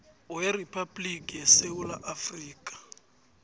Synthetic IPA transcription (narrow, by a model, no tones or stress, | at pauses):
weripʰablikʼijɛsewulaʔafriːkʼḁ